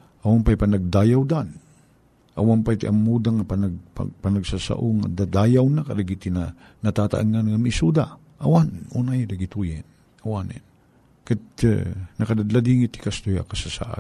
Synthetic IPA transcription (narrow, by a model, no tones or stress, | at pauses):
ʔawanpajpanaɡ̚d̪aːjawd̪an | ʔa̰wanpajt̪iʔamːud̪aŋapanaɡ̚pa̰panaɡsasa̰ʔoŋa̰d̪ad̪aːjawnakadaɡit̪ina | nat̪at̪a̰ʔaŋanŋamisud̪a | ʔawanʔunajd̪aɡit̪ujɛn | awanɛ̰n | ka̰ | nɐkad̪ad̪lad̪iŋit̪i̥kast̪uja̰kasasa̰ʔa̰